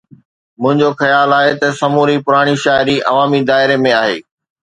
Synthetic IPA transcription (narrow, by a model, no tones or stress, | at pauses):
mʊ̃ɦɪ̃ɲd͡ʑoxɐjaːlaːɦet̪ɐsɐmuːɾipʊɾaːɽ̃iʃaːɪɾiʔɐ̰ʋaːmid̪aːɪɾemẽaːɦḛː